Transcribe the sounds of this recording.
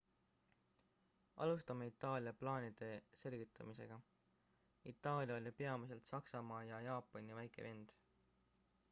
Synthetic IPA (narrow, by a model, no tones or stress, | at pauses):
ʔɑ̰lust̪ɑmeit̪ːˑɑːlʲijɑplɑːnid̪̥e̞se̞lɡ̥it̪ʰːˑɑmise̞̰ɡ̥ɑ | it̪ːˑɑːlʲjɑo̞lʲipe̞ɑmis̬e̞lt̪sɑksɑmɑːjɑjɑːpˑːonivæjkˑe̞̰ve̞nd̪̥